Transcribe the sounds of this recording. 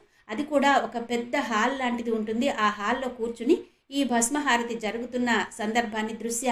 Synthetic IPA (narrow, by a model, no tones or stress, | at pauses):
ɐd̪ikuːɽaːokɐpɛd̪ːɐɦaːllaːɳʈid̪iuɳʈund̪iʔaːɦaːlːo̞ːkuːɾt͡ʃuni | iːbʱɐsmɐɦaːɾɐt̪id͡ʒɐɾuɡut̪unːɐsɐnd̪ɐɾbʱaːnːid̪ɾuʃjɐ